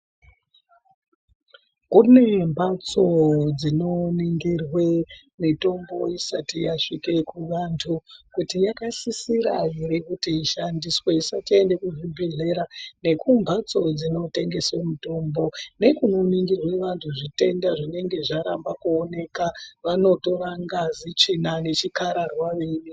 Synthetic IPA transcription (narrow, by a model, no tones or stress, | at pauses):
kune̞mbʱat͡so̞d͡zino̞niŋɡirwe | mito̞mbo̞isatijaʂike̞kuʋantʰukutijakasisiɾa̰iɾekutiːʃandiswe̞isatie̞nde̞kuʐibʱe̞ɮe̞ɾane̞kumbʱat͡so̞d͡zino̞te̞ŋɡe̞swemito̞mbo̞ne̞kunoniŋɡirwe̞ʋantʰuʐite̞ndaʐine̞ŋɡe̞ʐaɾa̰mbakuone̞kaʋano̞to̞raŋɡazit͡ʂinane̞t͡ʃikaɾarwaʋeni